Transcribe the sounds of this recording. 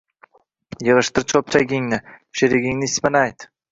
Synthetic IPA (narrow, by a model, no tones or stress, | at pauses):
jɤʁɨʃt̪ɪɾt͡ʃʰop̚t͡ʃʰajɡʲɪŋnɪʃeɾɪɡʲɪŋnɪspɪnajt̪